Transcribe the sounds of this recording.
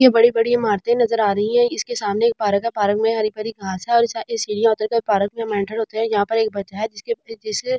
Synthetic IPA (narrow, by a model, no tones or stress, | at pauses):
jebɐɽibɐɽiãmaːɾt̪ẽnɐzəɾaːɾɐɦĩɦɛ̃ɪskesaːmneːk̚paːɾəkɦɛpaːɾəkmẽɦɐɾipəɾiɡʱaːsɦɛɔːɾɪsɪsiːɽijãʊt̪əɾkapaːɾək̚mẽmɛ̃ːɳʈəɾɦoːt̪eɦɛ̃jɐɦãpɐɾeːk̚bɐt͡ʃaɦɛd͡ʒɪsked͡ʒɪs